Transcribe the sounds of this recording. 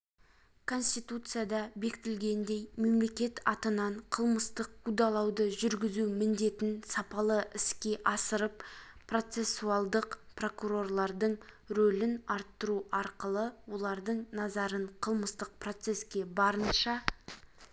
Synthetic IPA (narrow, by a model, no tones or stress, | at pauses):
kʰo̞nsʲt̪ijt̪ut̪sɨjad̪ɑbe̞kɪt̪ɪlɡʲe̞nd̪e̞jme̞mle̞kʲe̞t̪ʰɑt̪ənɑɴqʰəlˠməst̪əq̚kʰud̪ɑlˠɑwd̪əʒʏɾɡʲɪzumɪnd̪e̞t̪ɪnsɑpɑlˠəɪskʲe̞ʔɑsəɾəppro̞t̪se̞sːuɑlˠd̪əqpro̞kuɾo̞rlˠɑɾd̪əɴ | ɾɵlɪnɑɾt̪ːəɾuɑɾqəlˠəwo̞lˠɑɾd̪əɴnɑzɑɾəɴqʰəlˠməst̪əq̚pro̞t̪se̞skʲe̞bɑɾənʃɑ